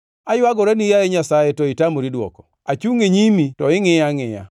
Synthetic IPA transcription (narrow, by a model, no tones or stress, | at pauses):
ajʊaɡɔɾenijajɛɲasajetɔitamoɾidwɔ̰kɔ̥ | at͡ʃuŋeɲimitɔɪŋɪjaŋɪja̰